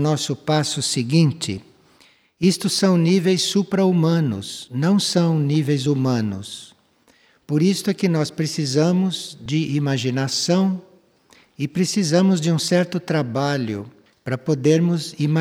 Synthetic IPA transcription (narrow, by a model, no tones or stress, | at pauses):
nɔsʊpasʊsɪɡĩnt͡ʃɪ̰ | ist̪ʊsɐ̃w̃nivejsːupɾɐumɐ̃nʊ̰snɐ̃w̃sɐ̃w̃nivejzumɐ̃nʊ̰s | poɾist̪ʊɛkɪnɔspɾesizɐ̃mʊzd͡ʒɪʔimaʒinasɐ̃w̃ | ɪpɾesizɐ̃mʊzd͡ʒɪũsɛɾt̪ʊt̪ɾabaʎʊ̰ | pɾɐpod̪eɾmʊzima